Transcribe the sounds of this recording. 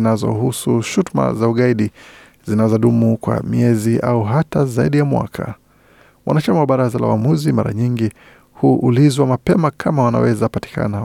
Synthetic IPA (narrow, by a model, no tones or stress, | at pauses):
nazɔ̰husuʃutma̰zauɠaiɗi | zinazɔɗumukwa̰miɛziʔauɦatazaiɗijamwa̰kʰa̰ | wʔa̰nat͡ʃamawaɓaɾazala̰wamuzima̰ɾa̰ɲiŋɡi | huʔulizwamapɛmakʰamawana̰wɛzapati̥kʰa̰na